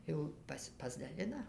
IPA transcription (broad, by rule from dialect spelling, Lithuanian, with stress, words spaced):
ˈjɛʊ ˈpɑːsʲɪ pɐzdɐˈlʲɪnɐ